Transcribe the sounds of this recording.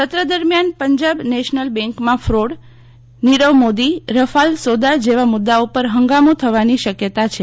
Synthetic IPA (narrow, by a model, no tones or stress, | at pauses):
t̪ət̪ɾəd̪əɾmjanpəɲd͡ʒabneʃnəlbɛ̃ŋkmãfɾoɽ | niɾəʋmod̪iɾəfalsod̪ad͡ʒeʋamʊd̪ːaupəɾɦəŋɡamũt̪ʰəʋaniʃəkjət̪at͡ʃʰe